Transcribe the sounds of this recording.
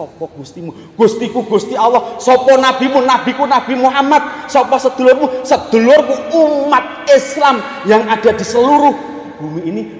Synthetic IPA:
sɔpɔɡ̥ust̪imu | ɡ̥ṳst̪ikuɡ̥ṳst̪iawɔhsɔpɔnab̥i̤munab̥i̤kunab̥i̤muɦamad̪̚sɔpɔsəd̪̥ṳlʊrmusəd̪̥ṳlʊrkuumat̪̚ɪslam | jaŋad̥a̤d̪̥i̤səluɾu | b̥ṳmiːni

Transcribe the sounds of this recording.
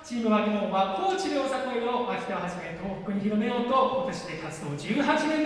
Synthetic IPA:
t͡ɕiːmɯ̟βaɡʲɯnobapːoːt͡ɕiɾʲo̞ːsakoeoβakʲi̥t̪aβaɦaʑimet̪ʰoːko̥kɯ̟ɲ̟içiɾome̞jot̪okot̪oɕi̥t̪ekat͡sɨd̪o̞ːd͡ʑɨːɦat͡ɕinẽn

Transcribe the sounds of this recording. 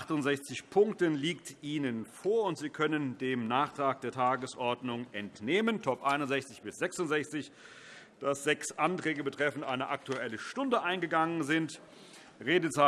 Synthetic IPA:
χtʊntz̥ɛçt͡sɪçpʰʊŋk̚tənliːk̚tʔiːnənfoːɐʊntz̥iːkʰœnəndeːmnaːχtʁ̥aːk̚d̥eːɐtʰaːɡəsʔɔɐdnʊŋʔɛntneːməntʰɔpʔaɪnʊnzɛçt͡sɪçb̥ɪsz̥ɛksʊntz̥ɛçt͡sɪç | d̥asz̥ɛksʔantʁ̥ɛːɡəbətʁ̥ɛfn̩tʔaɪnəʔak̚tuɛləʃtʊndəʔaɪnɡəɡaŋənzɪnt | ʁeːdət͡sa

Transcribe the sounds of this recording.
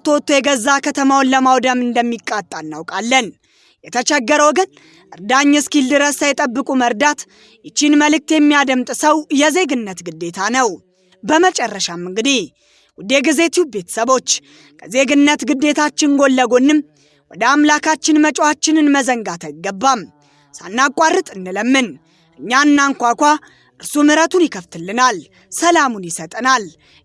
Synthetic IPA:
t̪ʰot̪ʰːojɛɡəzːakʰət̪ʰəmawnləmawd̪əmɨnd̪əmːikʼːat̪ʼːanːawkʼalːən | jɛt̪ʰət͡ʃɛɡːəɾəwɡən | ʔɨɾd̪aɲːɛskild̪ɨɾəsajɛt̪ʼəbːɨkʼuməɾd̪at̪ | jɪt͡ʃːinməlɨk̚t̪jɛmːijad̪əmt̪ʼsəwjɛze̞ɡɨnːət̪ɡɨd̪ːe̞t̪ʰanəw | bəmət͡ʃʼɛrːəʃamɨŋɡɨd̪i | wʊd̪e̞ɡɨze̞t̪ʰiube̞t̪ʰə̥səβo̞t͡ʃː | kʰəze̞ɡɨnːət̪ɡɨd̪ːe̞t̪ʰat͡ʃːɪnɡo̞lːəɡo̞nːɨm | wɔd̪əamlakʰat͡ʃːɪnmət͡ʃʼwat͡ʃːɪnɨnməzəŋɡat̪ʰajɡːəbːam | sa̰nːakʼarːɨt̪ʼɨnːɨləmːɨn | ʔɨɲːanːaŋkʷakʷa | ʔɨɾsumɨɾət̪ʰunjɪkʰəft̪ʰɨlːɨnal | səlamunjɪsət̪ʼnal

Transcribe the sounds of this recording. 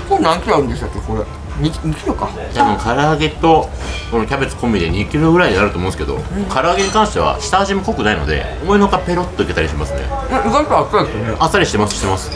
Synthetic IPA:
sonãŋkʲiɾoaɯ̃nd̪eɕ̬t̪akːekoɾe | ɲiɲikʲiɾokaabɯ̃ŋkʰaɾaaɡe̞t̪o̞kono̞kʲabe̞t͡sɨ̥kõ̞mːʲid̪e̞ɲ̟ikʲiɾo̞ɡɯ̟ɾaiɲinaɾɯt̪omõsɨ̥ke̞d̪o̞̰kʰaɾɯaɡe̞ɲ̟ikãɰ̃ɕit̪e̞βa̰ɕi̥t̪aːʑimoko̞kɯ̟naino̞̰d̪e̞̰omoenokape̞ɾo̞t̪ːoike̞t̪aɾʲiɕimasɨnḛzampoasasneasaɾiɕi̥t̪e̞masɨ̥ɕi̥t̪emasɨ̥

